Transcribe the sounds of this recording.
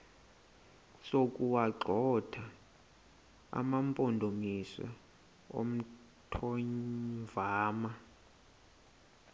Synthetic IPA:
sokʼuwaǃɔd̥ʰʱa | a̰mampʼondʱomisa̰ | o̰m̩ | tʰɔɲvaːma

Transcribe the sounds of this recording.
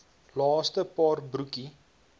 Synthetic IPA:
lɑːstəpɑːrbruki

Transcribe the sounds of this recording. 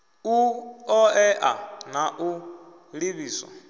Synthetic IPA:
uɔɛʔa̰naʔu | liβiːsɔ̰

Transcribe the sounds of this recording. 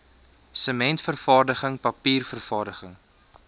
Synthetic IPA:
səmɛntfərfɑːrdəχəŋpɐpiːrfərfɑːrdəχəŋ

